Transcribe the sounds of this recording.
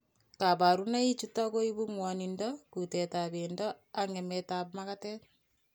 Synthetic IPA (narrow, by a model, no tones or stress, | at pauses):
kaβaɾunait͡ʃutaɣoiβuŋwanindokutetaβeːndo | aŋemetaβmakate